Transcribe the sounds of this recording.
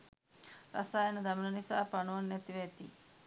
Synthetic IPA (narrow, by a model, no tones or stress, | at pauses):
ɾa̰saːjenəd̪amilənisaːpanuʋanːɛt̪iʋet̪ḭː